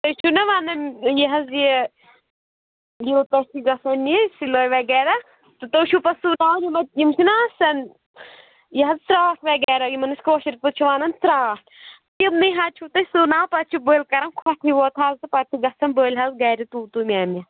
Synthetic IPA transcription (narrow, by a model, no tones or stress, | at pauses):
t̪ɐt͡ʃʰunɐʋanɐnjɐɦɐzji | jiːt̪ɐsiɡɐsɐnːisiloːjʋɐɡɛːɾa | t̪ɨt̪ɐt͡ʃʰupɐsunãːjimɐt̪̚jimsinaːsɐn | jɐɦɐzt̪ɾaːkʰʋɐɡɛːɾajimɐnɐsʲkoːʃɐɾpɐt͡ʃʰuʋaːnɐnsɾaːs | t̪imnɨɦat͡ʃʰut̪ɐsuːnaːwpɐt͡ʃʰubəːlkɐɾɐnkʰwɐʈʰiʋoːt̪ʰaːzt̪ɨpɐt̪ʰiɡɐsɐnbəːlʲɦɐzɡɐːɾit̪uːt̪umʲaːmʲɐ